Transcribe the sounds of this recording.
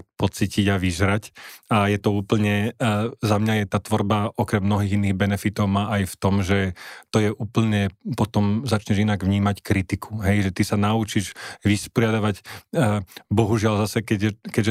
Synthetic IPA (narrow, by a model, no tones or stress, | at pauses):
pɔt͡siːciɟaʋizɾacajɛt̪ɔuːpl̩ɲɛzamɲajɛt̪aːt̪ʋɔɾbaɔkɾɛmːnɔɦiːɣinːiːɣbɛnɛfit̪ɔʊmaːʔajft̪ɔmʒɛt̪ɔjɛʔuːpl̩ɲɛpɔt̪ɔmzat͡ʃɲɛʒinaɡʋɲiːmackɾit̪ikʰu̥ɦɛjʒɛt̪isanaut͡ʃiʒʋispɔɾɪad̪aʋaɟ | bɔɦuʒɪalzasɛkɛɟkɛʒɛ